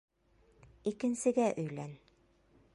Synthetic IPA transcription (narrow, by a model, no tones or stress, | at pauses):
ikɘ̆nsɘ̆ɡæʔɵ̆jlæn